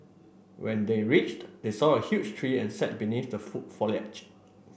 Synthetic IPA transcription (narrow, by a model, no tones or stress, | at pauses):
wɛ̃ndeɹit͡ʃtdesɔəhjut͡ʃtʰɹiɛ̃nsɛt̚biniθdəfut̚fɔlɛ̰t͡ʃ